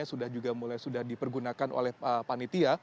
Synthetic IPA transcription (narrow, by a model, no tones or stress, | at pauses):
asudahd͡ʒuɡamulajsudahdipərɡunakanʔo̰lɛhəpanit̪ia